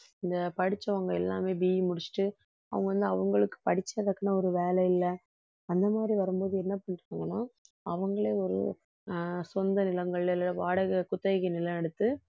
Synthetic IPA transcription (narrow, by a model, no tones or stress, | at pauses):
ɪnd̪ɐpɐɽɪt͡ʃːɐʋɐŋɡɐɛlːa̰ːmeːbiːjimʊɽɪt͡ʃːɪ̥ʈːɯ | ɐ̰ʋɐŋɡɐʋɐnd̪ɯɐʋɐŋɡɐɭɯkːɯ̥pɐɽɪt͡ʃːɐɐðɐkːɯnaɔɾɯʋeːlɛɪlːɛ | ɐnd̪ɐmaːd̪ɾiʋɐɾɯmboːðɯɛnːɐpɐɳːɪɾɯkaŋɡɐnãː | ɐʋɐŋɡɐɭeːɔɾɯ̰ | sɔnd̪ɐnɪlɐŋɡɐɭelʋaːɽɐɣɐkʊt̪ːɐɪɣɐnɪlɐ̃ɛɽɯt̪ːɯ